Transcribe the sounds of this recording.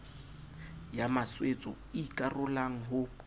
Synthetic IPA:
jamaswet͡sʼɔ | ikʼarʊlaŋ̩ɦʊ

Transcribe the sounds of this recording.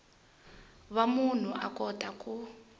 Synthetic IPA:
βamun̤uʔakʼɔtʼakʼu

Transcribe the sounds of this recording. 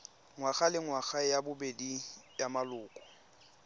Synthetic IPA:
ŋwaɣalɪŋwaɣajabʊbedijamalʊːkʼɔ̥

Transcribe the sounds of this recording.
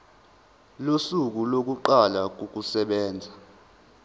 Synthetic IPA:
losuk̬ulok̬uǃalak̬ok̬usɛɓɛːnd͡zʱa

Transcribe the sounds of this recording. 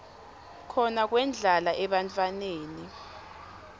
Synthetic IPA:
kʰɔnak̬wɛnd͡ɮʱalaʔɛɓant͡fʰʼaneːni

